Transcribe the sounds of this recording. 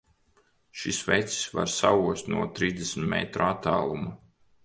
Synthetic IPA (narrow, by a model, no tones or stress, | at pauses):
ʃisvɛjt̪si̥sva̰ɾsauɔst̪nuɔt̪ɾiːzd̪esmt̪mɛ̰t̪ɾuat̪ːaːlˠuma